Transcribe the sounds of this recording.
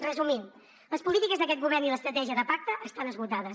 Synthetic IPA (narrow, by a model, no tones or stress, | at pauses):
rəzumim | ləspulit̪ikəzðəkɛt̪ɡuβɛrniləst̪ɾət̪ɛʒiəðəpak̚t̪əʔəst̪anəzβut̪aðəs